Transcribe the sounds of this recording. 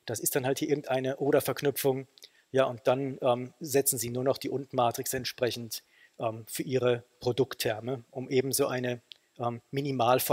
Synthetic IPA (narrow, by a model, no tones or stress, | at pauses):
d̥asɪstd̥anhalthiːɐɪɐɡŋ̩tʔaɪnəʔoːɾɐfɛɐknʏpp͡fʊŋ | jaːʔʊnt̚d̥anʔɛːmzɛt͡sn̩ziːnuːɐnɔχd̥iːʔʊntn̩maːtʁ̥ɪksɛntʃpʁ̥ɛçn̩t | ʔɛːmfyːɐʔiːʁəpʁ̥odʊktʰːɛɐməʔʊmʔeːbm̩zoːʔaɪnə | ʔɛːmːinimaːlf